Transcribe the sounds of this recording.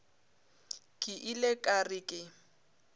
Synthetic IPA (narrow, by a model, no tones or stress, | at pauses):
kʼɪʔilekʼarɪkʼɪ